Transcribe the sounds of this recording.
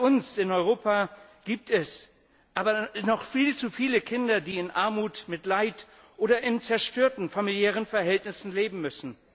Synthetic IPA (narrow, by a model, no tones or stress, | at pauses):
ʊnsɪnɔʏʁoːpaɡ̥iːp̚tɛs | ʔaːbɐnɔχfiːlt͡sufiːləkʰɪndɐdiːɪnʔaɐmuːtmɪtlaɪt | ʔoːdɐʔɪnt͡sɛɐʃtøːɐtn̩familjɛːʁ̞ənfɛɐɦɛltnɪsn̩leːbm̩mʏsn̩